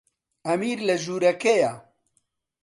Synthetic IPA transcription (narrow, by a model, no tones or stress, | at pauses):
ɐmiːɾlɐʒuːɾɐkeja